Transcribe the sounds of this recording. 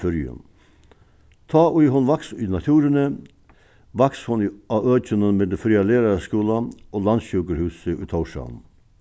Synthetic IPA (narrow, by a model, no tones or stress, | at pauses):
ʏɾjə̰m | t̪ʰɑːʔʉjɦʊnʋɑksiːnɑt̪ʰʉːɾənə | ʋɑkshʊnɑøːçənənmeːd̪ɛfɾiːɑleːɾɑɾskʉːlɑoːlɑnʃʉːɡəɾhʉːsəʔʉ̰ːt̪ʰɑʊʂɑ̰n